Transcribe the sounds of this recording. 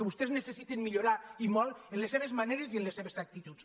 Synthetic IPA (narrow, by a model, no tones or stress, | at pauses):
eβust̪eznesesit̪inmiʎuɾaimɔlˠenleseβezmaneɾezienleseβesak̚t̪it̪us